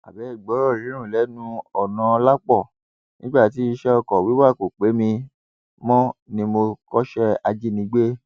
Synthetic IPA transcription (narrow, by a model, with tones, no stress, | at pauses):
a̰˨bɛ˨˦i˦˨ɡ͡bɔ˨˦ɾɔ˦˨ɾĩ˨˦ɾ̃ũ˦˨lɛ˨˦nũ˦ɔ˨nã˨˧la˦k͡pɔ˦˨ | nĩ˦ɡ͡ba˦˨ti˨˦i˧ʃɛ˦ɔ˧kɔ˨wi˨˦wa˦˨ko˨k͡pe˨˦mĩ˧ | mɔ̃˦nĩ˧mo˧kɔ˦ʃɛ˦a˧d͡ʒi˦nĩ˧˦ɡ͡be˦